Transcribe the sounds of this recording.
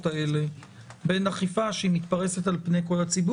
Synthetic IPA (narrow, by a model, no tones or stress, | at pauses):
tae̞le̞ | be̞naχifaʃeimit̪paʁe̞set̪alpne̞jko̞lat͡sib